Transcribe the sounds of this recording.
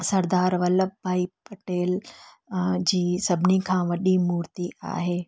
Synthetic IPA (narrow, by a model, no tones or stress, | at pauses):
sɐɾd̪aːɾʋɐləbbʱaːipɐʈeːl | d͡ʑiːsɐbʱɪnikʰãːʋɐɗimuːɾt̪ia̰ːɦeː